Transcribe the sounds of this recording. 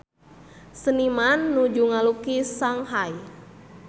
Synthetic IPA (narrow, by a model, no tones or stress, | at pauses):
sənimanːud͡ʒuŋalukisaŋɦaj